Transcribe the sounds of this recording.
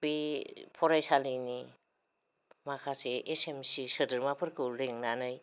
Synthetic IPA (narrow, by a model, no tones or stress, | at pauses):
bipʰɔɾajsalini | makʰaseesemsisɯdɯɾmapʰɯɾkʰɯwleŋnanɯj